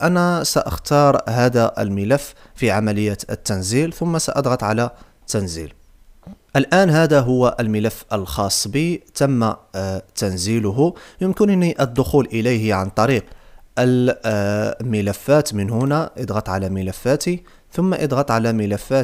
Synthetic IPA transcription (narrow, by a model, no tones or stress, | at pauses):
ʔænæsæʔəxt̪ɑɾˤɦæd̪æʔə̰lməlæfː | fiʕamæləjːæt̪ə̰t̪ːænzilθʊmːæsæʔɑd̪ˤɣɑt̪ˤʕalæ | t̪ːænzḭl | ʔəlʔænɦæd̪æɦʊwːæʔəlmələfːəlxɑsˤːbit̪æmːat̪ænzilʊɦʊjəmkənniʔəd̪ːʊxulʔəlijhʕant̪ˤɑɾiqʔəl | məlæfːæt̪mənɦʊnæʔəd̪ˤɣɑt̪ˤʕalæməlæfːæt̪i | θʊmːaʔəd̪ˤɣɑt̪ˤʕalæməlæfːæ